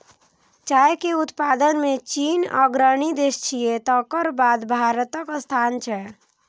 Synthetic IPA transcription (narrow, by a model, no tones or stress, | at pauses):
t͡ʃaːekeut̪pad̪ənmet͡ʃina̰ɡɾənid̪est͡ʃʰijet̪ɔkəɾbad̪bʱaɾət̪əkst̪ʰant͡ʃʰɛ